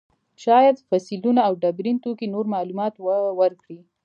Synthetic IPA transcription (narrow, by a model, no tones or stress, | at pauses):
ʃɑjad̪fɑsilunaːwɖabɾint̪okinoɾmɑlumɑt̪wwəɾkɽi